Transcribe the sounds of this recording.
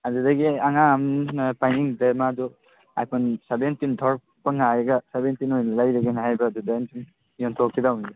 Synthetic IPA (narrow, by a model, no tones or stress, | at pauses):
adudaɡiaŋampajniŋdemadu | a̰jpʰɔnsabentindʰʱɔɾ | paŋajɡasebentinojnalajɾeɡenɦajbadudajntin | jɔntʰɔkʰːidawniɡe